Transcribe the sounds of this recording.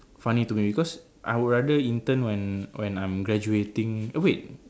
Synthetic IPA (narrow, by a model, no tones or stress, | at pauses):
fanit̪umibikɔs | ʔa̰jwɹadəint̪ənwɛ̃nwɛ̃nãjmɡɾad͡ʒuet̪ɪ̃ŋəwet̚